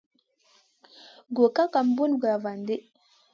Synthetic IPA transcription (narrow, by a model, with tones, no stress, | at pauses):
ɡo˨ka˦ka˨m˦bu˦n˨ɡa˨va˨nde˦